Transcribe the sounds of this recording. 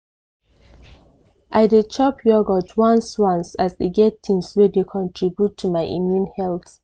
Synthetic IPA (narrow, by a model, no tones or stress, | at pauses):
ʔaɪdet͡ʃʰɔpʰjɔɡɔtʰwãnswãnsasdeɡɛtʰːĩnswɛdekʰɔ̃ntʰɹibjutʰːumaɪʔḭ̃mjũnhɛlθ